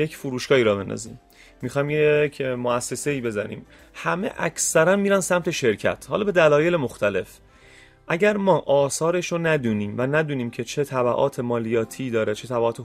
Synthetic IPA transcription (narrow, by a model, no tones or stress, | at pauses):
jecʰfuɾuːʃɡɒːiːɾɒːbe̞nd̪ɒ̰zḭmː | ixɒjmjecʰmoæsːe̞se̞iːbe̞zænḭːm | hæme̞̰ʔæ̰csæɾænmiːɾænsæmt̪ʰe̞ʃe̞ɾcʰæ̰t̪ʰhɒːlɒːbe̞d̪ælɒːje̞lemoxt̪æle̞f | ʔæɟæɾmɒːʔɒːsɒːɾe̞ʃonæd̪uːniːmvænæd̪uːniːmcʰe̞t͡ʃʰe̞t̪ʰæbæʔɒ̰ːt̪ʰe̞mɒːlijɒːt̪ʰiːd̪ɒːɾet͡ʃʰe̞t̪ʰæbæɒːt̪ʰe